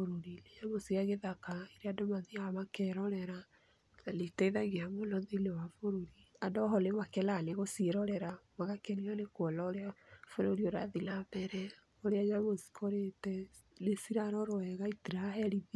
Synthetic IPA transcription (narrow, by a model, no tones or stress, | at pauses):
oɾoɾilejaβosiaɣeðakaiɾeadomaðiaamakɛɾɔɾɛɾa | aletɛiðaɣeamolɔðelewafoɾoɾiadɔɦɔlemakɛlaneɣosieɾɔɾɛɾamaɣakenianekwɔlaoɾeafoɾoɾioɾa̰ðilabɛɾɛ | oɾeajaβosi̥kʰoɾetɛ | lesiɾaɾɔɾoɛɣaitiɾaɦɛɾið